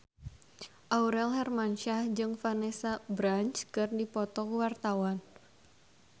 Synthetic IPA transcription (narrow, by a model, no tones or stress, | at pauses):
ʔauɾɛlhɛrmanʃahd͡ʒɨŋfanɛsabɾant͡ʃkɨrdipɔt̪ɔkuwart̪awan